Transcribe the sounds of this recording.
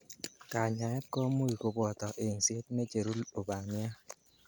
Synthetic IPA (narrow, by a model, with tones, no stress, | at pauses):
ka˨ɲa˨ɛ˦kɔ˦mu˦i˨ko˨bɔ˨tɔ˨ʔe˨n̩˨si˦e˦tme˦t͡ʃe˨ɾu˦lo˨ba˨mja˦